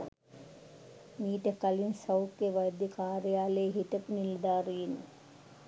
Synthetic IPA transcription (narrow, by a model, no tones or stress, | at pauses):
miːʈəkalinsɐwkːeʋajd̪jəkʰaːɾejaːlejɦit̪əpunild̪aːɾiinːə